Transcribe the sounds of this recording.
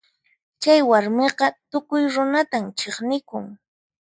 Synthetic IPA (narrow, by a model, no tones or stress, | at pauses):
t͡ʃajwaɾmeqɑt̪ʊkʊjɾʊnat̪amt͡ʃeχnɪkʊ̰ŋ